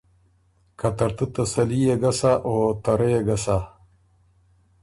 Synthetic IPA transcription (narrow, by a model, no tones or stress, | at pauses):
kʰat̪ɐɾt̪ət̪ɐsɐlijeɡasaʔot̪aɾejeɡasa